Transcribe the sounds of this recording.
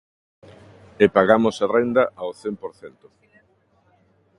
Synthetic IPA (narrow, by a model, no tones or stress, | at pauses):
epaɣamosarend̪ɐʔaoθempoɾθɛnt̪ʊ̥